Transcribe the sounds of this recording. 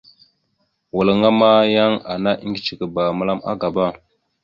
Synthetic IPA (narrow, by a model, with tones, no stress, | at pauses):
wə˨lə˨ŋa˦ma˦ja˦ŋa˨na˦ʔi˦ŋɡi˨t͡ʃi˨kə˨ba˨mə˦la˦ma̰˦ɡa˨ba˦˨